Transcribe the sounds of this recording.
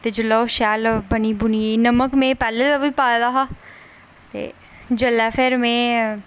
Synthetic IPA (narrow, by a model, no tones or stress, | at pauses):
t̪eːd͡ʒəlɔoʃɛːlbəniːbʊnienəməkmẽpɛːlet̪aʋipaːd̪aːɦaː | t̪ḛː | d͡ʒəlɛːfʰɛːɾmẽː